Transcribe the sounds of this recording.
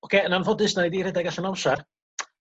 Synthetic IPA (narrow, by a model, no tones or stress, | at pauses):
ɔkʰeːənanvɔdɪsnajdiːɾɪdaɡaɬənɔwʃar